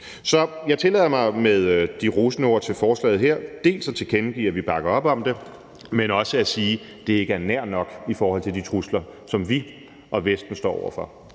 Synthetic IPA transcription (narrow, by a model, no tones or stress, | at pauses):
sɒ̽jɑ̈ɪt͡sʰe̝lɛ̰ːɐmɑ̈ɪmeðˠd̥iʁusnəo̝ɐ̰t͡sʰe̝lfɒːslɛ̰ːð̩ˠɦeɐ̰d̥e̝̰ːlsɒ̽t͡sʰe̝kʰenɡ̥ḭːɐʋib̥ɑ̈ɡ̥ɐɒ̽b̥ɒ̽md̥e̝ | menɒ̽səæsiː | d̥e̝e̝ɡ̥əæɐnæɐ̰nɒ̽ɡ̥ifɒːhɒ̽l̰t͡sʰe̝ld̥it͡sʰʁuslɐsɒ̽mʋi | ʔɒ̽ʋesd̥n̩sd̥ɒ̰ːɒ̰ʊɐfɒ̽